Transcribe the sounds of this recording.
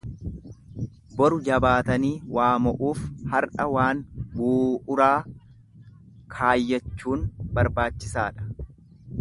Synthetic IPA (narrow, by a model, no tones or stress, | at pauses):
bɔɾʊd͡ʒɐbaːt̪ɐniːwaːmɔʔuːfhɐɾʔɐwaːnbuːʔʊɾaː | kʰaːjːɐt͡ʃːuːnbɐɾbaːt͡ʃːɪsaːᶑɐ̥